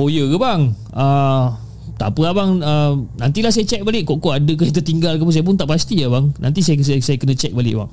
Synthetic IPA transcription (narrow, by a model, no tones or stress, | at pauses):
ojəkəbaŋ | ʔə | t̪apəabaŋəmnant̪ilahsajat͡ʃɛk̚balɪʔkɔʔkɔʔadəkajat̪ət̪iŋɡalk̬apus̬ajap̬ʊnt̪aʔpast̪iabaŋna̰nt̪is̬ajasasajakənə̃t͡ʃɛk̚balɪ̰ʔba̰ŋ